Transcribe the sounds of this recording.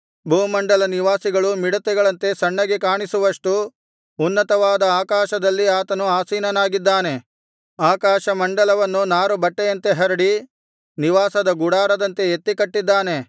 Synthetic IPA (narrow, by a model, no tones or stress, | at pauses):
bʱuːmɐɳɖɐlɐniʋaːsiɡɐɭumiɽut̪ɛɡɐɭɐnt̪e̞sɐɳːɐɡekaːɳisuʋɐʂʈu | unːɐt̪ɐʋaːd̪ɐaːkaːʃɐd̪ɐlːiaːt̪ɐnuaːsiːnɐnaːɡid̪ːaːne̞ | aːkaːʃɐmɐɳɖɐlɐʋɐnːunaːɾubɐʈːejɐnt̪e̞ɦɐɾiɽi | niʋaːsɐd̪ɐɡuɽaːɾɐd̪ɐnt̪e̞et̪ːikɐʈːid̪ːaːne̞